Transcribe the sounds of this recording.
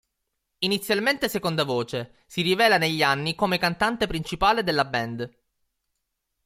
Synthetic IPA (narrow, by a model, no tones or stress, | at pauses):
init̪sːjalment̪esekond̪avoːt͡ʃe | sirivɛːlaneʎːianːikomekant̪ant̪epɾint͡ʃipaːled̪elːabɛnd̪